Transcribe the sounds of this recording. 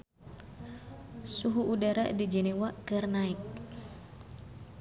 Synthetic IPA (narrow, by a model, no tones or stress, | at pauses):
suɦuʔːdaɾadid͡ʒɛnewakɨrnaik̚